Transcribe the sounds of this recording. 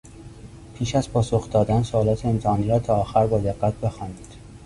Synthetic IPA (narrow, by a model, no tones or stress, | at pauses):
pʰiːʃæzpʰɒːsoxd̪ɒːd̪ænsoɒːlɒːt̪ʰeemt̪ʰehɒːniːɾɒːt̪ʰɒːxæɾbɒːd̪eɡːæt̪̚ʰbe̞xɒːniːd̪̥